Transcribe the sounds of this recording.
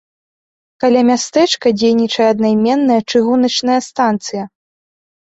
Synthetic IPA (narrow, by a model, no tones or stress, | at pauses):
kalʲamʲast̪ɛt͡ʂkɐd͡zʲejnʲit͡ʂɐjɛɐd̪najmʲɛnːɐjɐt͡ʂɨɣunɐt͡ʂnɐjɐst̪ant̪sɨjɐ